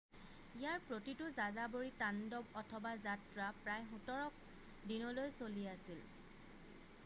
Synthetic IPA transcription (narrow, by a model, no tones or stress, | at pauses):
ijaɹpɹotitʊzazaboɹitandɔbɔtʰɔbazatɹapɹajxʊtɔɹɔk̚ | dinɔlojsoliasil